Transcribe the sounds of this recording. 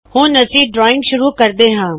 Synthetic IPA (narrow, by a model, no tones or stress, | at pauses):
hũːnɐsiːb̚ɖɾɔːɪ̃ŋɡʃʊɾukɐɾd̪eːɦãː